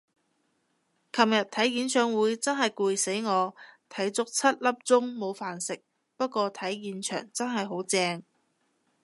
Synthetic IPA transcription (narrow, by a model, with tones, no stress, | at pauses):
kʰɐ˨mjɐ˨t̪ʰɐ˨˥jjiː˨˥nt͡ʃʰœː˨˧˥ŋwuː˨˥jt͡sɐ˥nɦɐ˨jkuː˨˧jse˨˥jŋɔː˨˧t̪ʰɐ˨˥jt͡sʊ˥k̚t͡sʰɐ˥t̚lɐ˥p̚t͡sʊ˥ŋmo˨˧wfaː˨nsɪ˨k̚ | pɐ˥t̚kʷɔː˧t̪ʰɐ˨˥jjiː˨nt͡ʃʰœ̰ː˨˩ŋt͡sɐ˥nɦɐ˨jɦo˨˥wt͡sɛː˧ŋ